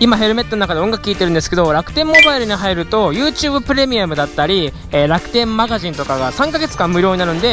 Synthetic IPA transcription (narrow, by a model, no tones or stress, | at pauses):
imaɦe̞ɾɯ̟me̞t̪ːonoakad̪e̞õ̞ŋɡakɯ̟kʲiːt̪e̞ɾɯ̟nd̪e̞sɨ̥ke̞d̪o̞ɾakɯ̟̥t̪ẽ̞mːo̞baiɾɯ̟ɲ̟iɦaiɾɯ̟t̪o̞jɯ̟ːt͡ɕɨːbɯ̟pɯ̟ɾe̞mʲiamɯ̟d̪at̪ːaɾʲi | eːɾakɯ̟̥t̪ẽ̞mːaɡaʑĩnt̪o̞kaɡasãŋkaɡe̞t͡sɨ̥kãmmɯ̟ɾʲjo̞ːɲinaɾɯ̟nd̪e̞